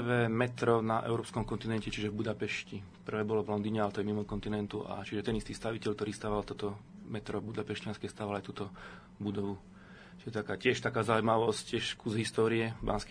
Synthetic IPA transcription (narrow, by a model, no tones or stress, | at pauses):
ʋɛːmɛt̪ɾɔnaʔɛ̰ʊɾɔːpskɔmkɔnt̪inɛncɛt͡ʃiʒɛvbud̪apɛʃci | pr̩ʋɛːbɔlɔvlɔnd̪iːɲɛalɛt̪ɔjɛmimɔkɔnt̪inɛnt̪uʔa̰t͡ʃiʒɛt̪ɛnist̪ist̪aʋicɛʎkt̪ɔɾiːst̪aːʋalt̪ɔt̪ɔ | mɛt̪ɾɔbud̪apɛʃcɪanskɛst̪aːʋalajt̪uːt̪ɔ | bud̪ɔʋu | t͡ʃiʒɛt̪akaːcɪɛʃt̪akaːzaujmaʋɔsccɪɛʃkuzɦist̪ɔːɾiɛba̰nsk